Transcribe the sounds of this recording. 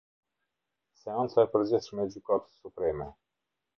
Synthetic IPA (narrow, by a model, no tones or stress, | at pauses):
seant̪sapəɾzesumed͡ʒukat̪supɾɛme